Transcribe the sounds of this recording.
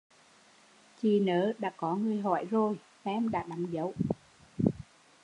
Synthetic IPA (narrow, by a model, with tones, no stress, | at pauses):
t͡ɕi˨˩nəː˨˦ɗa̰ː˧˥kɔ˨˦ŋɨ˨˩əjɦɔ˧˩˨jzo˨˩j | fɛ˧mɗa̰ː˧˥ɗa˨˦mzə˨˦w